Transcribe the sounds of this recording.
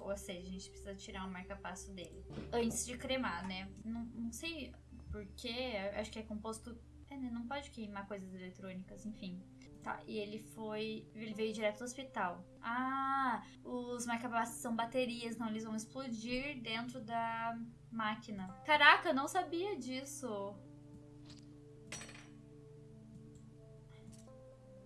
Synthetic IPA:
oseʒɐʒẽnt͡ʃɪ̥pɾe̥sizɐt͡ʃiɾaɾʊ̃maɾkapasʊd̪elɪɐ̃nt͡ʃɪzd͡ʒɪkɾemanɛnɐ̃w̃nɐ̃w̃sej | poɾkʰeaa̰ʃʊ̥kɪɛkõpost̪ʊ | ɛnɛnɐ̃w̃pɔd͡ʒɪkejmaɾkojzɐzelet̪ɾõnikɐzẽfĩ | t̪a̰ʔɪelɪfojelɪvejʊd͡ʒiɾɛt̪ʊd̪ʊospit̪aw | a | ʊzmaɾkabassːɐ̃w̃bat̪eɾiɐsẽt̪ɐ̃elɪzvɐ̃w̃ɪsplod͡ʒiɾd̪ẽnt̪ɾʊd̪ɐ | makinɐkaɾakɐenɐ̃w̃sabiɐd͡ʒisʊ

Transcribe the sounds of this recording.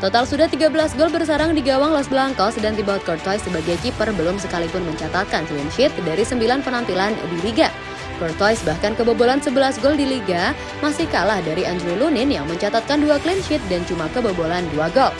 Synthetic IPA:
t̪ot̪alsudat̪iɡabəlasɡɔlbərsaɾaŋdiɡawaŋlɔsbəlaŋkɔsədaŋdibawat̪̚kɔrt̪ɔjsːəbaɡajkipərbəlʊmsəkalipʊnməɲt͡ʃat̪at̪̚kanklinʃɪt̪̚daɾisəmbilanpənampilandiliɡa | kɔrt̪ɔjsbahkankəbəbolansəbəlasɡɔldiliɡa | masihkalahdaɾiandɾolunɪnjaŋməɲt͡ʃat̪at̪̚kanduaklɪnʃɪt̪̚dant͡ʃumakəbəbolanduaɡɔl

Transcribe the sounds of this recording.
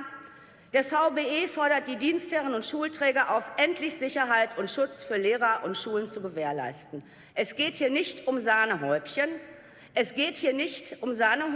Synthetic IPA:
d̥eːɐfaʊbeːeːfɔɐɾɐt̚d̥iːdiːnsthɛʁənʊntʃuːltʁ̥ɛːɡɐʔaʊfʔɛntʰlɪçz̥ɪçɐɦaɪtʰʊntʃʊt͡sfyːɐleːʁɐʔʊntʃuːlənt͡suɡəveːɐla̰ɪstn̩ | ʔɛsɡ̥eːthiːɐnɪçtʊmzaːnəɦɔʏpçən | ʔɛsɡ̥eːthiːɐnɪçtʊmzaːnə

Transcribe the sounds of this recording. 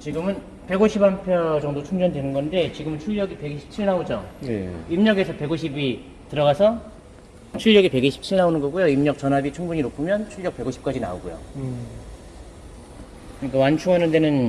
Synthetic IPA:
t͡ɕiɡɯmɯn | pe̞ɡoɕʰibampʰjʌd͡ʑʌŋdot͡ɕʰuŋd͡ʑʌndwenɯnɡʌnde̞t͡ɕiɡɯmɯnt͡ɕʰuɭjʌɡipe̞ɡiɕʰi̥p̚t͡ɕʰiɭnaod͡ʑʌ | imɲʌɡe̞sʰʌpe̞ɡoɕʰibi | tɯɾʌɣasʰʌ | t͡ɕʰuɭjʌɡipe̞ɡiɕʰi̥p̚t͡ɕʰiɭnaonɯnɡʌɡujoimɲʌk̚t͡ɕ͈ʌnɦabit͡ɕʰuŋbuɲinopʰumjʌnt͡ɕʰuʎːjʌk̚pe̞ɡoɕʰip̚k͈ad͡ʑina̰oɡujo̰ | kɯɲik͈awant͡ɕʰuŋʌnɯnde̞nɯn

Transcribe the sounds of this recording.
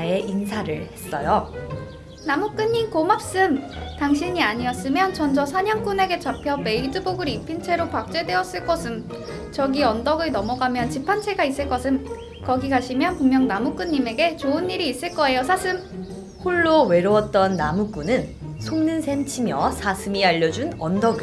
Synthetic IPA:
e̞ʔinsʰaɾɯɭhe̞s͈ʌjo | namuk͈ɯɲːimkomap̚s͈ɯmtaŋɕʰiɲiaɲiʌs͈ɯmjʌnt͡ɕʌnd͡ʑʌsʰaɲʌŋk͈une̞ɡe̞t͡ɕapʰjʌme̞idɯboɡɯɾipʰint͡ɕʰe̞ɾopak̚t͡ɕ͈we̞de̞ʌs͈ɯɭk͈ʌsʰɯm | t͡ɕʌɡiʌndʌɡɯɭnʌmʌɡamjʌnt͡ɕipʰant͡ɕʰe̞ɡais͈ɯɭk͈ʌsʰɯm | kʌɡiɡaɕʰimjʌnpuŋmjʌŋnamuk͈ɯɲːime̞ɡe̞t͡ɕoɯnːiɾiːs͈ɯɭk͈ʌe̞josʰasʰɯm | hoɭːowe̞ɾoʌt̚t͈ʌnːamuk͈unɯn | sʰoŋnɯnsʰent͡ɕʰimjʌsʰasʰɯmiaʎːʌd͡ʑunʌndʌɡɯ

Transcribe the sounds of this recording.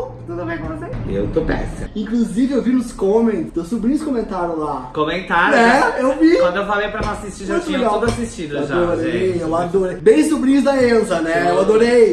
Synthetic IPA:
t̪ud̪ʊbẽj̃kõvoseḛwt̪opɛ̰sɐ̰ĩkluzivɪewvinʊskõmẽt̪d̪esubɾĩɲʊskõmẽnt̪aɾjʊlakomẽnt̪aɾɛewviwɐ̃d̪ewfalejpɾɐɐ̃asist͡ʃiũt̪meʎad̪oasist͡ʃĩd̪aoɾoɾejewlad̪oɾejbẽj̃subɾĩɲʊzd̪ɐẽzɐnɛewad̪oɾej

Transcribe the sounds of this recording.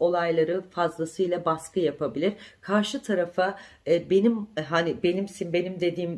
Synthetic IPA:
o̞lˠajlˠaɾɯfazlˠasɯjlˠabaskɯjapabilʲiɾkʰaɾʃɯt̪ʰaɾafa | benimɦanibe̞nimsimbe̞nimd̪e̞d̪iːm

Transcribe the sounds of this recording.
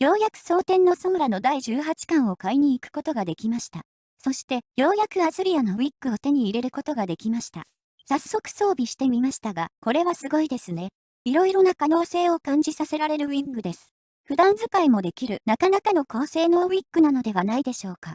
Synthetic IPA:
jo̞ːjakɯ̟̥so̞ːt̪ẽ̞nːo̞sõ̞ŋɾano̞d̪aiʑɨːɦat͡ɕi̥kãɰ̃o̞kaiɲ̟ĩːkɯ̟̥ko̞t̪o̞ɡad̪e̞kʲimaɕi̥t̪a̰ | so̞ɕi̥t̪e̞jo̞ːjakɯ̟azɨɾʲiano̞βʲikːɯ̟o̞t̪e̞ɲ̟iːɾe̞ɾɯ̟ko̞t̪o̞ɡad̪e̞kʲimaɕi̥t̪a̰ | sasːo̞kɯ̥so̞ːbʲiɕi̥t̪e̞mʲimaɕi̥t̪aɡako̞ɾe̞βasɨɡo̞id̪e̞sɨne̞ | iɾo̞iɾo̞nakano̞ːse̞ːo̞kãɲ̟d͡ʑisase̞ɾaɾe̞ɾɯ̟βʲĩŋɡɯ̟d̪e̞sɨ̥ | ɸɯ̟d̪ãnzɨkaimo̞d̪e̞kʲiɾɯ̟nakanakano̞ko̞ːse̞ːno̞ːβʲikːɯ̟nano̞d̪e̞βanaid̪e̞ɕo̞ːka

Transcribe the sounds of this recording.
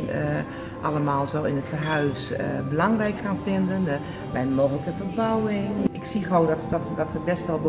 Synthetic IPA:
n | ʔɑləmaːlˠzowɪnətəɦœɥsbəlɑŋrɛjkxaːnfɪndən | bɛjnmoːxələkənfərbɔwɪŋɪksiχəʋowndɔtdɔtədɔtsəbɛstʋɔlˠbə

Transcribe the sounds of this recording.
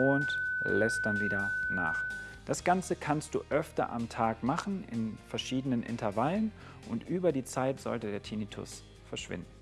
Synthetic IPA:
ʊntlɛst̚d̥anziːdana̰ːχd̥asɡ̥ant͡səkʰanst̚d̥ṵːʔœftɐ̰ʔa̰mtʰaːkmaχn̩ɪ̰nfɛɐʃiːdənənʔɪ̰ntɐɐvalən | ʔʊntʔyːbɐdiːt͡saɪtz̥ɔ̰ltədeːɐtʰinitʰʊ̰s | fɛɐʃv̥ɪ̰ndn̩

